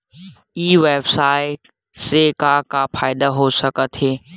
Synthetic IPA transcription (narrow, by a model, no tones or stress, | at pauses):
iːʋeːbsaːɪ | sekakapʰaːɪd̪aɦosəkət̪ɦeː